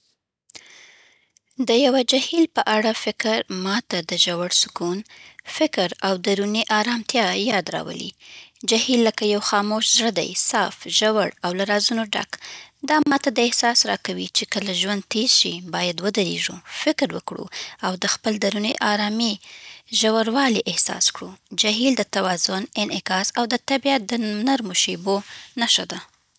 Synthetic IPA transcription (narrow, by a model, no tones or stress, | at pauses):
d̪əjawad͡ʒahilpəʔaɽafɪkɾmɑt̪ad̪əʒawaɽsʊ̥kunfɪkɾawd̪aɾuneʔɑɾɑmt̪jɑjɑd̪ɾɑ̰wə̰lḭd͡ʒahilːəkajawxɑmoʃzɽəd̪a̰jsɑfʒawaɽawlaɾɑzunoɖa̰kd̪ɑmɑt̪ad̪əɪhsɑsɾɑkawit͡ʃekəlaʒwand̪̚t̪eɾʃibɑjad̪wəd̪aɾḛʒufɪkɾwəkɽṵawd̪əxpəld̪aɾuniʔɑɾɑmiʒawaɽwɑliʔɪhsɑ̰skɽud͡ʒaɦild̪ət̪awɑzʊnɪnɪkɑsawd̪ət̪abiat̪̚d̪ənaɾmoʃebonaʃad̪a